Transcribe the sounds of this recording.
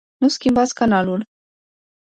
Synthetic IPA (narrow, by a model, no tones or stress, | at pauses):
nuskʲimbat̪sʲkanalul